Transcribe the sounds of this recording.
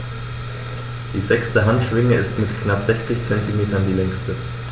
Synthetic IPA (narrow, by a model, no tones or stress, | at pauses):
d̥iːzɛkstəɦantʃv̥ɪŋəɪstmɪtkʰnapz̥ɛçt͡sɪçt͡sɛntimeːtɐndiːlɛŋstə